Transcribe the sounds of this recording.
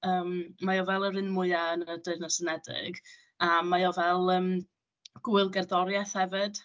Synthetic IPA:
əːmmajɔvɛlˠəɾɪnmʊɨaənədɨɨnəsənɛdɪ̰ɡ | amajɔvɛlˠəːm | ɡ̥uɨlˠɡɛrðɔɾjaθhɛvɨd̥

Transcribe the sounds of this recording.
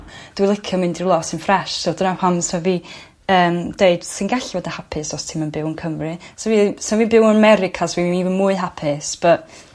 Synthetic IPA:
d̥wilˠɪkʰjɔmɪndɪrlˠɔsɪnfrɛʃsɔldənapʰansmɛvi | əːmd̥eɨd̥sɪnɡaɬivɔdahapʰɪsɔstʰɪmənbɪwnkʰəmrɨsɔvismɛvibɪwənəmɛɾɪkʰasɔviinivənmuːɨɦapʰɪsb̥əʔ

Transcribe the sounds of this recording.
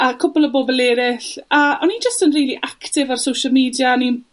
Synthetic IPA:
əkʰʊbɔlˠəboːbəlˠɛːɾɪɬəʔɔnind͡ʒəstənriːlˠiʔaktɪvarsowʃəlˠmiːdjanin

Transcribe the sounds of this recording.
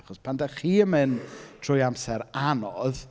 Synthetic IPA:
χɔspʰandaχiːəmɨntʰrʊjamsɛɾanɔð

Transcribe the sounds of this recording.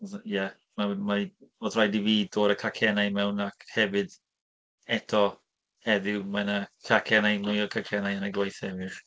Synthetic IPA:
jɛ | mamaiɔðrajdiviːdoːɾəkʰakʰɛnajmɛwnakʰhɛvɨd | ɛtʰɔ | hɛðɪwmanakʰakʰɛnajmʊjɔkʰakʰɛnajanaɡwajθɛvɨr

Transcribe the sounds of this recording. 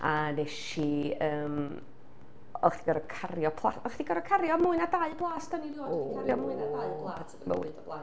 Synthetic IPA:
anɛʃiəːm | ɔ̰χd̥iɡəɾəkʰarjɔpʰlˠa̰tɔχd̥iɡəɾəkʰarjɔmʊɨnadaɨblˠaːsd̥anidiɔarjɔmːnaajlˠa | mə̰wɪ̰ɔblˠa

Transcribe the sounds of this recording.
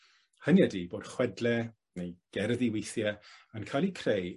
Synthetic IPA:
hənjadiboːd̥χwɛdlɛ | nejɡ̥ɛrðiwejθjɛankʰajlˠikʰrej

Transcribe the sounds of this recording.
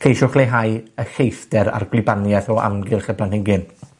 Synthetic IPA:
kʰejʃʊχlˠejɦajəɬejθd̥ɛɾa̰rɡlɪbanjɛθɔa̰mɡɪlχɛpʰlˠanhɪɡɪn

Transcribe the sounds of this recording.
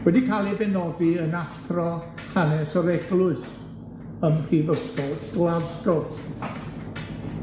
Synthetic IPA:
wɛdikʰalˠibɛnɔdiənastrɔ | hanɛsɔɾɛɡlˠʊɨs | əmpʰrivəstɔdɡlavstɔθ

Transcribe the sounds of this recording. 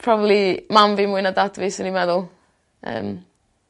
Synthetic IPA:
pʰrɔbablimamvimʊɨnadadvɪsənimɛðʊlˠ | ə̰ːm

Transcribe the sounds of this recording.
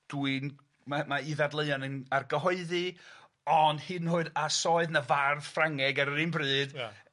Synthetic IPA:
d̥wɨn | mamaiðadlˠeɨɔnənarɡəɦɔɨðɨ | ɔnd̥hɨnhʊɨdasɔɨðnavarð̥fraŋɛɡaɾəɾinbrɨːd̥

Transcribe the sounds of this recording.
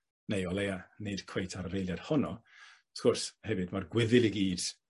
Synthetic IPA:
nejɔlˠejaned̥kʰw̥ejtʰaɾəɾejlˠjad̥hɔnɔ | skʊrshɛvɨdmarɡwɪðɪlˠiɡiːd̥

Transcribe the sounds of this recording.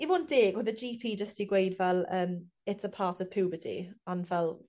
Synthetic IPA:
imɔnd̥ɪːɡwɪðəd͡ʒiːpʰiːd͡ʒəstiɡweɪdvɛlˠəːm | ɪtsəpʰɑːˑtʰəv̥pʰɪːbətʰḭə̃nvɛlˠ

